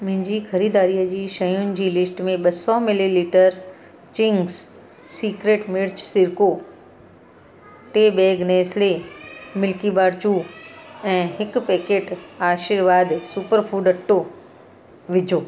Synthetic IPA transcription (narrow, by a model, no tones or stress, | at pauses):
mʊ̃ɦɪ̃ɲd͡ʑiːxɐɾiːd̪aːɾijəd͡ʑiːʃɐjʊnɪ̆d͡ʑiːlɪsʈmẽɓɐsɔmɪliliːʈəɾ | t͡ɕɪ̃ŋɡs | siːkɾeːʈmɪɽt͡ɕsɪɾko | ʈeːbɛːɡneːslemɪlkibaːɽt͡ɕuːɛ̃ːɦɪkpeːkeːʈaːʃɪɾʋaːd̪supəɾfʰuːɖɐʈːo | ʋɪd͡ʑʱoː